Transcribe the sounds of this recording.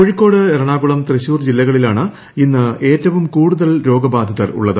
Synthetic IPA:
koɻikːo̞ːɽɨeɾɐɳaːɡuɭɐmt̪rɐɕuːrd͡ʑilːɐɣɐɭilaːɳɨ | inːɨe̞ːtːɐʋumkuːɽuðɐlɾo̞ːɡɐbaːd̪ʱɐðɐrṵɭːɐðɨ

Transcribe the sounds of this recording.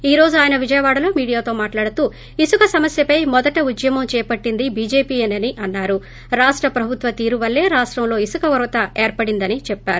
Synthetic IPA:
iːɾo̞ːd͡ʒuaːjɐnɐʋid͡ʒɐjɐʋaːɽɐlo̞ːmiːɽijaːt̪o̞ːmaːʈlaːɽut̪uː | isukɐsɐmɐsjɐpɐjmɔd̪ɐʈɐud̪jɐmɐmt͡ʃɛːpɐʈːind̪ibiːd͡ʒe̞ːpiːɐnɐniʔɐnːaːɾu | ɾaːʂʈɾɐpɾɐbʱut̪ʋɐt̪iːɾuʋɐlːe̞ːɾaːʂʈɾɐmlo̞ːisukɐʋɐɾʋɐt̪ɐeːɾpɐɽind̪ɐnit͡ʃɛpːaːɾu

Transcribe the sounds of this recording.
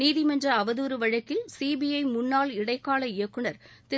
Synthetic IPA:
niːðɪmɛnd͡ʒɐɐʋɐðuːɾɯʋɐɻɐkːɪlsiːbijɐɪmʊnːaːlɪɽɐɪkːaːɭɐɪjɐkːɯɳɐɾt̪ɪ

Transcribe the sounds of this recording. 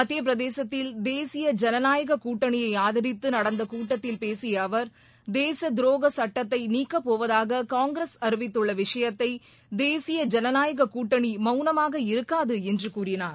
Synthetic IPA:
ɐt̪ːɪjɐp̬ɪɾɐðeːsɐt̪ːɪld̪eːsɪjɐd͡ʒɛnɐnaːjɐɣɐkuːʈːɐɳɪjɐɪaːðɐɾɪt̪ːɯnɐɽɐnd̪ɐkuːʈːɐt̪ːɪlpeːsɪjɐːʋɐɾ | d̪eːsɐd̪ɪɾoːɣɐsɐʈːɐt̪ːɐɪniːkːɐpːoːʋɐðaːɣɐkaːŋɡɾɐsɐɾɯʋɪt̪ːɯɭːɐʋɪʂɐjɐt̪ːɐɪ | d̪eːsɪjɐd͡ʒɛnɐnaːjɐɣɐkuːʈːɐɳimɐʊnɐmaːɣɐɪɾɯkːaːðɯɛndrɯkuːrɪnaːɾ

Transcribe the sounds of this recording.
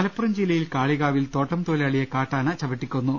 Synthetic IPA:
ɐlɐpːurɐmd͡ʑilːɐjilkaːɭiɣaːʋilt̪o̞ːʈːɐmt̪oːleɐɭijɐkaːʈːaːnɐt͡ɕɐbɐʈːikʲːunːu

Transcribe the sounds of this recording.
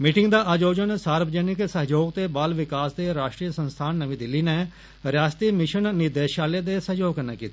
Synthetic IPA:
miːʈɪŋɡd̪aːʔəd͡ʒoːd͡ʒənsaːɾbd͡ʒɛːnɪksəɦd͡ʒoːɡt̪eːbaːlʋɪkaːsd̪eːɾaːʃʈɾiːəsə̃nst̪ʰaːnːəʋĩːd̪ɪlːiːneː | ɾaːst̪iːmɪʃənnɪd̪eːʃaːleːd̪eːsəɦjoːɡənɛ̰ːkiːt̪ː

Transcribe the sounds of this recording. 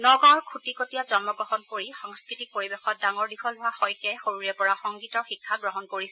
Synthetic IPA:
nɔɡɔɹkʰutikotijazɔnmɔɡɹɔɦɔnkoɹixɔŋskɹitik̚poɹibexɔt̚daŋɔɹdikʰɔlʊɦahɔjkɛjxoɹuɹɛpɔɹaxɔŋɡitɔɹxikʰːaɡɹɔɦɔnkoɹisɛ

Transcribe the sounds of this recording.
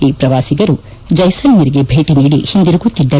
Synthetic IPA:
iːpɾɐʋaːsiɡɐɾu | d͡ʒɐjsɐnjɐɾiɡebʱeːʈiniːɽḭhind̪iɾuɡut̪ːid̪ːɐ

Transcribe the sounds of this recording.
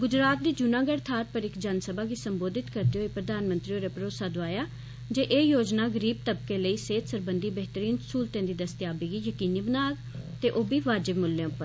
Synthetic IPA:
ɡʊd͡ʒɾaːt̪̚d̪iːd͡ʒʊnãːɡəɽt̪ʰaːɾ̚pəɾɪkd͡ʒaːnsəbaːkiːsəmboːd̪ɪt̪kəɾd̪eɦoːeːpɾəd̪aːnmə̃nt̪ɾiːoːɾepəɾoːsaːd̪ʋaːjaː | d͡ʒeːʔeːjoːd͡ʒnaːɡəɾiːb̚t̪əbkeːləiːseːt̪səɾbənd̪iːbɛɦt̪əɾiːnsuːlt̪ẽːd̪iːd̪əst̪jaːbiːɡiːjəkiːniːbənaːk | t̪eːʔoːbiːʋaːd͡ʒɪbmʊlːẽʊpːəɾ

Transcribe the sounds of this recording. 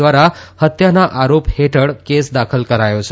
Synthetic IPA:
ʋaɾahət̪janaʔaɾopheʈəɽkesd̪akʰəlkəɾajot͡ɕʰe

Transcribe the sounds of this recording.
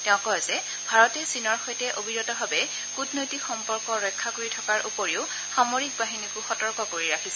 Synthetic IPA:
tɛʊ̃kɔɔzɛ | bʱaɹɔtɛsinɔɹxɔjtɛʔobʱiɹɔtɔbʱabɛ | kutʰnojtikxɔmpɔɹkɔɹɔjkʰːakoɹitʰɔkaɹʔupoɹiʊ | xamoɹik̚baɦinikʊxɔtɔɹkɔkoɹiɹakʰisɛ

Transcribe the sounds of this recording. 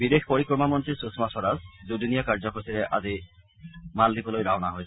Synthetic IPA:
bidexpoɹikɹɔmamɔntɹisusmasɔɾasdudunijakaɹzɔkoɹisiɹɛʔa̰zi | maldibɔlojdaɦɔnaɦojs

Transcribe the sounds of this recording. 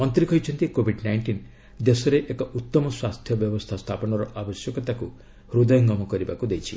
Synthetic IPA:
mɔnt̪ɾikɔjt͡ʃʰɔnt̪ikobʱiɖnajɳʈin | d̪esɔɾeʔekɔʔut̪ːɔmɔswast̪ʰjɔbjɔbɔst̪ʰast̪ʰapɔnɔɾɔʔabɔsjɔkɔt̪aku | ɾud̪ɔjɔŋɡɔmɔkɔɾibakud̪ejt͡ʃʰḭ

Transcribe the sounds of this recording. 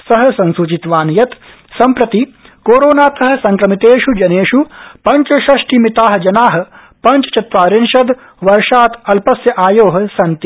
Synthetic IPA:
sɐɦɐ̆sɐnsut͡ʃit̪ʋaːnjɐt̪ | sɐmpɾɐt̪i | koːɾoːnaːt̪ɐɦɐ̆sɐŋkɾɐmit̪eːʃud͡ʒɐneːʃupɐɲt͡ʃɐʃɐʂʈimit̪aːɦɐ̆d͡ʒɐnaːɦɐ̆ | pɐɲt͡ʃɐ̥t͡ʃɐt̪ʋaːɾenʃɐd̪ | ʋɐɾʃaːt̪ɐlpɐsjɐʔaːjoːɦɐ̆sɐnt̪i

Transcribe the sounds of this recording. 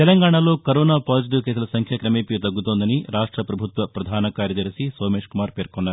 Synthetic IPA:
t̪ɛlɐŋɡaːɳɐloːkɐɾoːnaːpaːd͡ʒiʈ̬iʋkeːsɐlɐsɐŋkʰjɐkɾɐmeːpit̪ɐɡːut̪oːnd̪ɐniɾaːʂʈɾɐpɾɐbʱut̪ʋɐpɾɐd̪ʱaːnɐkaːɾjɐd̪ɐɾisisoːmeːʂkumaːɾpeːɾkonːaɾ

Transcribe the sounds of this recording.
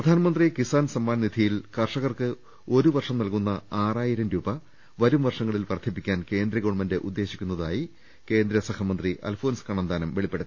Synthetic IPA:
pprɐd̪ʱaːnɐmɐnd̪rikisaːnsɐmːaːnnid̪ʱijilkɐrʂɐɣɐrkɨ | o̞ɾuʋɐrʂɐmnɐlkunːɐaːraːjiɾɐmɾuːbɐ | ʋɐɾumʋɐrʂɐŋːɐɭilpɐrt̪ʰːipːikʲːaːnke̞ːnd̪ɾɐɣoːɳmɐnde̞ʔud̪ːe̞ːɕikʲːunːɐðaːji | ke̞ːnd̪ɾɐsɐhɐmɐnd̪riʔɐ̰lfʰo̞ːnskɐɳɐnd̪aːnɐmʋeɭipːe̞ɽɐt̪ː

